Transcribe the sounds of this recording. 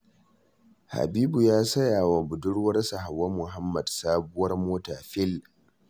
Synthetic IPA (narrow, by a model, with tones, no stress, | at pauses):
ha̰˨biː˦bu˨jaː˦sɐ˦jaː˨wa˨bʊ˨dʊ˦ɽwɐ˦rsa˨ɦa˨wːɐ˦mʊ˨ɦa˦mːɐ˨dsaː˦bʊ˦wɐ˦rmoː˦taː˨ɸɪ˦l